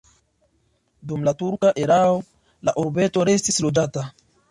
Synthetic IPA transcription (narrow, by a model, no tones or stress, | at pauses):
dumlatuɾkaʔe̞ɾao | la̰ʔuɾbe̞to̞ɾe̞stislo̞d͡ʒata